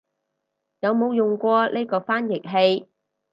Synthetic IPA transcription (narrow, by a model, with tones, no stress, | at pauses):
jɐ˨˧wmo˨˧wjʊ˨˩ŋkʷɔː˧le˥jkɔː˧faː˥njɪ˨k̚ɦe˧j